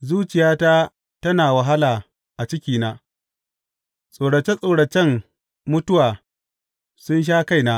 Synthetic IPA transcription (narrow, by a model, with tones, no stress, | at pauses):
zuː˦t͡ʃɪ˨jaː˦ta˦ | tɐ˦naː˨wɐ˨ɦa˦laː˨ | ʔa˨t͡ʃɪ˦kʲiː˨naː˦ | sʼoː˨ɽɐ˨t͡ʃe˦sʼoː˨ɽɐ˨t͡ʃɛ˦m | mʊ˦tʊ˦waː˨ | sʊ˦nʃ̬aː˦ka˦jnaː˦ʔ